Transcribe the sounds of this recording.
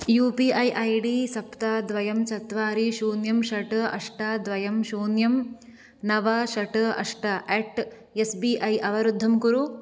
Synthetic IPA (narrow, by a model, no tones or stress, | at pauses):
juːpiʔɐjʔɐjɖiːsɐpt̪aːd̪ʋɐjɐmt͡ʃɐt̪ʋaːɾiʃuːnjɐmʃɐʈɐɐ̰ʂʈaːd̪ʋɐjɐmʃuːnjɐm | nɐʋɐʃɐʈɐ̰ʂʈɐʔeːʈ | esbiʔɐjʔɐʋɐɾud̪ʱːɐmkuɾu